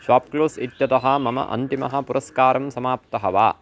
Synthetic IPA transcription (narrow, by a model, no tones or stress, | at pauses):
ʃaːp̚kloːsit̪jɐt̪ɐɦɐ̆mɐmɐ̰ʔɐ̰nt̪imɐ̰ɦɐ̆puɾʔɐskaːɾɐmsɐmaːp̚t̪ɐɦɐʋa̰ː